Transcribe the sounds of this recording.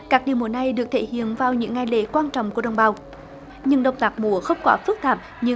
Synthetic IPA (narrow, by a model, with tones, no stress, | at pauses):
kaː˦˥k̚ɗi˨əmo˨˦na˧˩jɗɨ˨˩ək̚t̪ʰe˧˩hḭ˧˨ənvaː˨˩wɲɨ̰˧˥ŋːaː˨˧˩jlḛ˧˥kwaː˧nt͡ɕɔ̰˧˨wŋ͡mku˧˩əɗə˧wŋ͡mɓaː˧˨˩w | ɲɨ˧ŋɗə˨˧wŋ͡mt̪aː˨˩k̚mu˨˧˦əxə˧wŋ͡mkɔ˨˦fɨ˦˥k̚t̪aː˨˩p̚ɲɨ˧